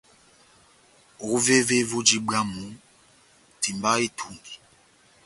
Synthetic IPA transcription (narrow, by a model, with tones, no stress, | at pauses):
ɣu˦ve˦ve˦vo˦d͡ʒi˦ɡ͡ba˦mu˨˦ | ti˨mba˦e˦tʰu˦˨ŋɡi˨